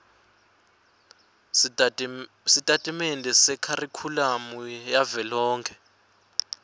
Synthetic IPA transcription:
sitʼatʼimendʱɛsɛkʰarikʰulamujavɛlɔːŋkʰɛ

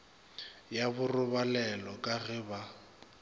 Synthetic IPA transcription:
jabʊrʊbalɛlɔkʼaɣɪba

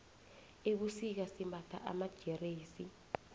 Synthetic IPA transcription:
ek̬usik̬asimbʱatʰa̰ʔa̰mad̥ʒ̥ʱɛreːsi

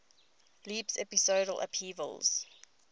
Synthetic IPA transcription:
liːpsɛpisoːɾəlʔə̰pʰiːvə̰lz̥

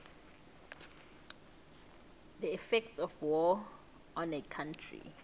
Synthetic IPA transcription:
dəifɛk̚tsɔfwɔ | ɔ̃nɛkʰãntʰɹḭ

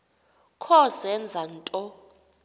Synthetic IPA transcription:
kʰɔsɛnd͡zʱan̩tʼɔ

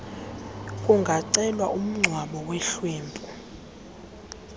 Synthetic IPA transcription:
kʼuŋɡʱaǀɛlwaʔum̩ŋ͡ǀʱwaɓɔweɬwiːmpʼu

